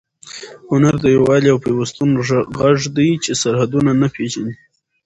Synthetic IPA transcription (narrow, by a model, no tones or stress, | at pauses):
hʊnaɾd̪əjowɑliawpewast̪unɣaʐd̪ijt͡ʃesaɾhad̪unanapeʒani